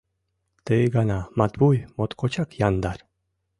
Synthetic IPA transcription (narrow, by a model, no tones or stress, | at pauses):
t̪eɡanamat̪bujmot̪kot͡ʃakjand̪aɾ